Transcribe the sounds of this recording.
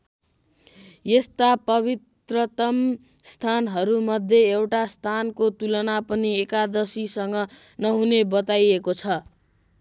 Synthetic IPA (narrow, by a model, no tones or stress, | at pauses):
jest̪apʌbit̪rʌt̪ʌm | st̪ʰanɦʌɾumʌd̪ʱjeːwʈast̪ʰankot̪ulʌnapʌniekad̪ʌsisʌŋɡʌnʌɦunebʌt̪ajekot͡sʰʌ